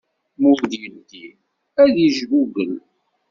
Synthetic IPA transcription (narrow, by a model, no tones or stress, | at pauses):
mʊɾðjəld̪i | æðiʒvuɡən